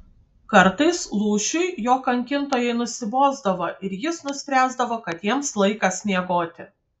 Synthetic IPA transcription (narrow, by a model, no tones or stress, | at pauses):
kɐɾt̪ɐɪslˠuːʃʲʊɪjoːkɐŋʲkʲɪnt̪oːjɛɪnʊsʲɪboːzd̪ɐʋoːʔɪɾjɪsnʊsʲpʲɾʲæːzd̪ɐʋoːkɐt̪jiɛmslˠɐɪkɐsʲnʲiɛɡoːt̪ʲɪ